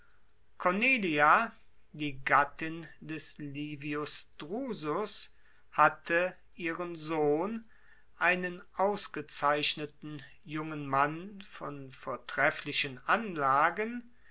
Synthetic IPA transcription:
kʰɔneːliadiːɡatɪndɛsliːviʊsd̥ʁuːzʊs | hatʰə | ʔiːʁənzoːn | ʔaɪnənʔaʊsɡ̥ət͡saɪʃnətn̩ | jʊŋənmanfɔnfoːɐtʁ̥ɛflɪʃənʔanlaːɡən

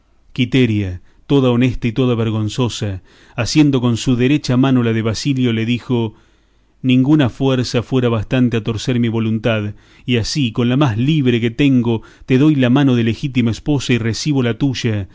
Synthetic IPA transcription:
kit̪eɾja | t̪o̞ðaone̞st̪ait̪o̞ðaβeɾɣ̞o̞nso̞saː | sje̞nd̪o̞ko̞nsuðeɾet͡ʃamano̞laðeβasiljo̞le̞ðixo̞ | nĩŋɡunafweɾsafweɾaβast̪ant̪eat̪o̞ɾseɾmiβo̞lunt̪að | iasiko̞nlamazliβɾeket̪eŋɡo̞t̪eðo̞jlamano̞ðelexit̪̬imaespo̞sairesiβ̞o̞lat̪uʒa

